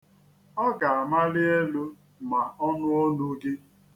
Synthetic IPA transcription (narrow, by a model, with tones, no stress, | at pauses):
ɔ˦ɡa˨a˨ma˦lɪ˦e˦lu˦ | ma˨ɔ˦nʊ˦ɔ˦nu˦ɡe˦